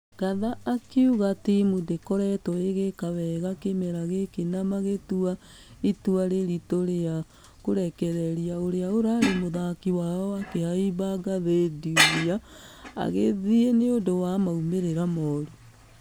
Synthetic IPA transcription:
ɡ̥aðaːkeuɣatimudekɔɾɛtɔeɣekaβɛɣakemɛɾaɣekenamaɣetua | ituaɾeɾitoɾea | koɾɛkɛɾɛɾiaoɾeaoɾaɾemoðakiwaɔakehaiβaɡaðediuaa̰ɣeðieneondowamaumeɾeɾamɔɾo

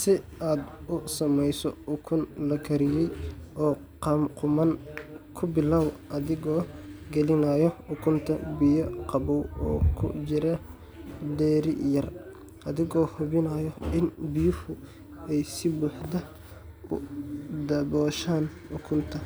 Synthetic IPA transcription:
sɪʔaːd̪ʊsɐmɛjsɔʊkʰʊnlɐkʰɐɾɪjɛjʔɔː | qɑmqʊmɐnkʰʊbɪlaːwʔɐðɪɣɔːɡɛlɪnajɔħʊkʰʊmt̪ʰɐ̰bɪjɐqɑβɔwɔ̰ːkʰʊ̰t͡ʃɪɾɐ | ɖɛːɾɪ̰jɐr | ʔɐðɪɣɔːhʊβɪnɐːjɔɪnbɪjʊhʊ | ɛjsɪbuːħd̪ɐ | ʊ̰d̪ɐbɔːʃaːnħʊkʰʊmt̪ʰɐ

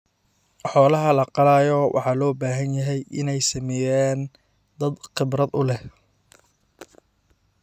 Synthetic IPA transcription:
ħɔːlɐɦɐlɐqɑlaːjɔwʔɑ̰ħɑːlɔːbaːɦɐnjɐɦɛjʔɪnɛjsɐmɛjaːn | d̪ɐd̪qɪbɾɐd̪ʊlɛh

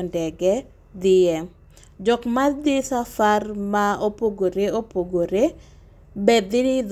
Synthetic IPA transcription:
ndɛɡɛ | d̪ɪjɛ | d͡ʒɔkmad̪ɪsafarmaopoɡoɾeopoɡoɾe | bɛd̪ɪnɪd̪

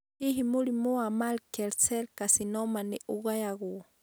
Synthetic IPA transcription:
hiɦimulimuamalkɛlsɛlkasinɔmaniʔuɣajaɣu

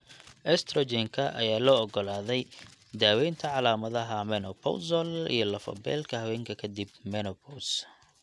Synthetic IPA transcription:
ʔɛst̪ʰɾɔd͡ʒɛŋkʰɐʔɐ̰jaːlɔːɔɡɔlaːðɛjd̪aːwɛjnt̪ʰɐʕɑlaːmɐðɐɦɐmɛnɔpʰɔ̰sɔlḭjɞlɐfɐ̰bɛ̰ːlkʰɐhɐwɛːŋkʰɐkʰɐd̪ib̚mɛnɔpʰɔws

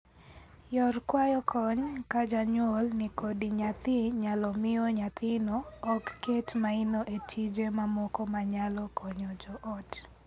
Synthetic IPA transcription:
jɔrkwajɔkʰɔɲkad͡ʒaɲwɔlnɪkodɪɲat̪ɪɲalɔmɪoɲat̪ɪnɔːkːetmaɪnoʔetʰid͡ʒemamɔkɔmaɲalɔkʰɔɲɔd͡ʒɔʔɔt

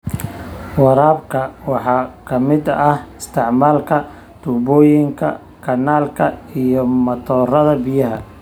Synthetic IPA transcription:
wɑɾaːbkʰɐwɑħɑːkʰɐmɪd̪ɐhɪst̪ʰɪʕmaːlkʰɐ | t̪ʰuːbɔːjɪŋkʰɐ̰ | kʰɐnːaːlkʰɐijɔmɐt̪ʰɔːrɐðɐbɪjɐɦɐ

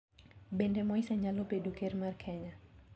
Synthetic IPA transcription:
bendɛmɔisaɲalopedukermarkʰɛɲa

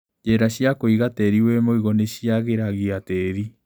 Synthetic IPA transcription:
d͡ʒɛɾaɕiakoiɣatɛɾiwɛmoiɣoneɕiaɣeɾaɣiatɛɾi

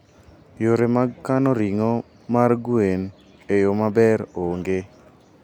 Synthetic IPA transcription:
joɾemaɡkanɔɾiŋɔ | marɡuen | ejomabɛɾoŋɡe

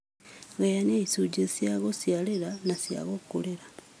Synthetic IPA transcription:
ɣejaneisuɟesjaɣosjaleɾanasja̰ɣokuleɾa

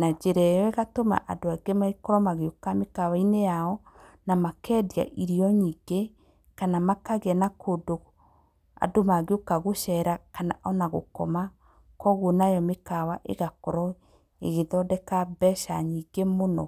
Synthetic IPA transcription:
nad͡ʒeɾɛjɔeɣatoma̰ʔadoaɡemaikɔɾɔmaɣeokamekawainejaɔ | namakɛdia̰ʔiɾiɔɲiːɡe | kanamakaɣɛnakoːdo | a̰domaɣeokaɣoʃɛɾakanaʔɔnaɣo̰kɔ̰ma | kɔɣonajɔmekawaʔḛɣakɔɾɔ | ḛɣeðɔdɛkabɛʃa̰ɲiːŋɡemonɔ

